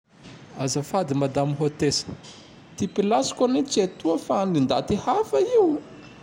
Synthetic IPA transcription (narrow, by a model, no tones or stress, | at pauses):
azəfad̪imad̪amiɦot̪esi̥ | t̪ipilasi̥konet͡set̪uəfaanlind̪a̰t̪ihafaiu